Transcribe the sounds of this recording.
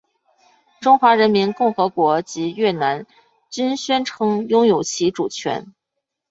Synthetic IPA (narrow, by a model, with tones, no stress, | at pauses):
ʈ͡ʂʊ˥ŋxwa˧˥ɻə˧˥nmi˧˥nkʊ˥˩ŋxɤ˧˥kwɔ˧˥t͡ɕi˧˥ɥɛ˥˩na˧˥n | t͡ɕy˥nɕɥɛ˥nʈ͡ʂʰɤ˧˥ŋjʊ˥ŋjo˨˩ʊt͡ɕʰi˧˥ʈ͡ʂu˨˩t͡ɕʰɥɛ̰˧˥n